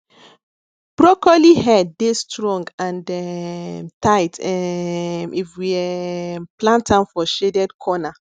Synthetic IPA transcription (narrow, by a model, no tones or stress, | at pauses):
b̥ɹɔkɔliɦɛdːestʰɹɔ̃ŋɡãndɛ | taɪtɛmʔifwiɛplãntãnfɔʃedɛdkʰɔna